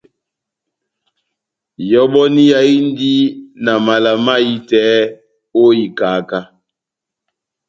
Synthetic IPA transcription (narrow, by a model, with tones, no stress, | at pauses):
jɔ˦ɓɔ˦ni˦ja˨i˦n˦di˦na˨ma˨la˨ma˦i˦tɛː˦ | o˦i˨kaː˨˦˨ka˦